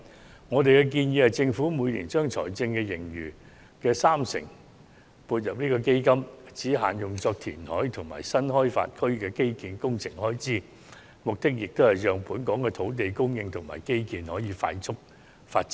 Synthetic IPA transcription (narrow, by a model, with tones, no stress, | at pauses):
ŋɔː˨˧t̪e˨jkɛ˧k̬iː˧njiː˨˧˥hɐ˨jt͡sɪ˧ŋfuː˨˥mu˨˧jliː˨˩nt͡ʃœː˥ŋt͡sʰɔ̰ː˨˩jt͡sɪ˧ŋkɛː˧jɪ˨˩ŋjyː˨˩ | kɛː˧saː˥msɪ̰˨˩ŋ | puː˧t̚jɐ˨p̚niː˥kɔː˧ke˥jkɐ˥mt͡siː˨˥ɦa̰ː˨njʊ˨ŋt͡sɔː˧k̚t̪ʰḭː˨˩nhɔː˨˥jt̪ʰʊ˨˩ŋma̰ː˨˩jsɐ˥nhɔː˥jfa̰ː˧t̚kʰɵ˥ɥkɛː˧ke˥jkiː˨nkʊ˥ŋt͡sʰɪ˨˩ŋhɔː˥jt͡siː˥ | mʊ˨k̚t̪ɪ˥k̚jɪ˨k̚t̪whɐ˨jjœː˨ŋpuː˨˥nkɔː˨˥ŋkɛː˧t̪ʰo˨˥wt̪̬e˨jkʊ˥ŋjɪ˧ŋt̪ʰʊ˨˩ŋma̰ː˨˩jke˥jkiː˨˧nhɔː˨˥jiː˨˧fa̰ː˧jt͡sʰʊ˥k̚ | faː˧t̚t͡sɪ˥